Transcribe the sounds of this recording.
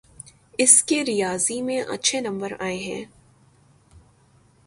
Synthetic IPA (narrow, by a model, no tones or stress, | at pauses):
ɪskeɾijaːzimẽʔɐ̰tːʃʰenɐ̃mbəɾa̰ːeɦɛ̰̃ː